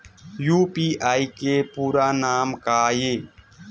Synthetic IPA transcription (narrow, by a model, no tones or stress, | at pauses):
juːpiːʔaːiːkeːpuːɾaːnaːmkaːjeː